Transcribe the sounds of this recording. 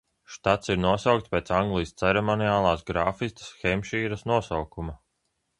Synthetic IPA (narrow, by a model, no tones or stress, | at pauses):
ʃt̪at̪siɾnuɔsawk̚t̪spʲeːt̪saŋɡlˠijst̪sɛɾɛmɔniaːlˠaːsɡɾaːfist̪ɐ̥sxɛmʲʃiːɾasnuɔsawkuma